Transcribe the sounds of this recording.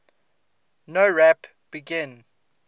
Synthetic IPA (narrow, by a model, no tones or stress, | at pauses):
noɹɛp | b̥iɡɪ̃n